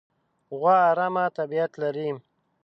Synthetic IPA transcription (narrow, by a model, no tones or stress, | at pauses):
ɣwaːɾamat̪abiat̪laɾim